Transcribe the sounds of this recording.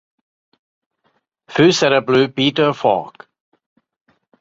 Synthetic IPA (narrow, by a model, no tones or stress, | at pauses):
fʉːsɛɾəblʉːpiːtəfɔ̰k